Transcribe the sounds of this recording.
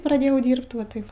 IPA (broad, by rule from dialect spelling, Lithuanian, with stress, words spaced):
prɐˈdʲeːjɛʊ ˈdʲiːrpt ʋɐ ˈtɐɪp